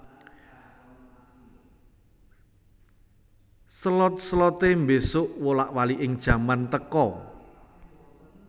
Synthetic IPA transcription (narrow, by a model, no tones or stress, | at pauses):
səlɔt̪̚səlɔt̪embesʊʔwolaʔwaliʔɪŋd̥ʒ̥a̤mant̪əkɔ